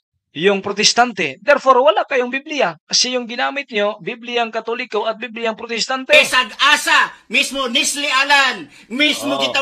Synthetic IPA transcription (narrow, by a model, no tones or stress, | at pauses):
jʊŋpɾot̪ɛst̪ant̪ɛd̪ɛɾfoɾwɐlakɐjoŋbiblɪjakɐsɛjʊŋɡɪnaːmɪt̪̚ɲobiblɪjaŋkɐt̪olɪkoʔɐt̪̚biblɪjaŋpɾot̪ɛst̪ant̪ɛsɐɡaːsamismonislɪʔalan | mismokɪt̪a